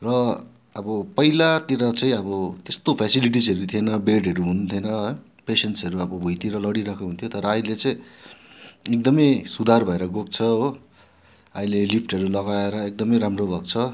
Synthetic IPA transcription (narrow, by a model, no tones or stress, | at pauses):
rʌ | ʌbʌpʌilat̪iɾʌt͡sʌĩʌbʌt̪est̪opʰjasiliʈ̬isʌɾut̪ʰienʌbeɖɦʌɾuɦunt̪ʰenʌ | pesensʌɾuʌbʌbʱujt̪iɾʌlʌɽiɾakoɦunt̪ʰot̪ʌɾʌaĩlet͡sʌĩ | ek̚d̪ʌmʌjsud̪ʱarbʱʌeɾʌɡok̚t͡sʰʌo | aĩlelipʰʈɦʌɾulʌɡaeɾʌek̚d̪ʌmʌjɾamrobʱʌɡ̚t͡sʰʌ